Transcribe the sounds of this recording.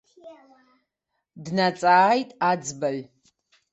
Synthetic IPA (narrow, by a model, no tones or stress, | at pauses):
dnat͡sʼaːjtʼad͡zbaɥ